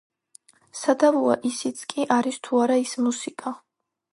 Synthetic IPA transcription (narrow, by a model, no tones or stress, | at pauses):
sad̪avua̰ʔisit̪sʰkʼiʔaɾist̪ʰuaɾaismusikʼa